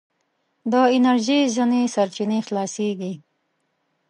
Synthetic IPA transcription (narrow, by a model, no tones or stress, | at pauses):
d̪əɪnaɾʒizinesaɾt͡ʃinexlɑːseɡi